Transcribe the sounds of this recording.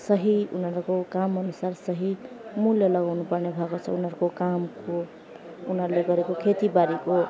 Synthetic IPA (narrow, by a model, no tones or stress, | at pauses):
sʌɦiṵnɦʌɾukokamʌnusarsʌɦi | muljʌlʌɡawnupʌrnebʱakot͡sʰʌunɦʌɾukokamko | unʌɾleɡʌɾekokʰet̪ibaɾiko